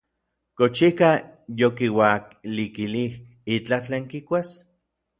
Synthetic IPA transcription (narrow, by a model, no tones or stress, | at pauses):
kot͡ʃihkajokiwaklikilih | it͡ɬat͡ɬeːŋkikʷas